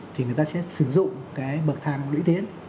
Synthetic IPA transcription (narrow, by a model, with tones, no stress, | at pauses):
t̪ʰi˨˩ŋ˨˩əjt̪aː˧sɛ̰˧˥sɨ˧˩zʊ̰˧˨ŋ͡mkaː˨˦jɓə˨˩t̚t̪ʰaː˧˩ŋlḭ˧˥t̪ʰi˨˦ən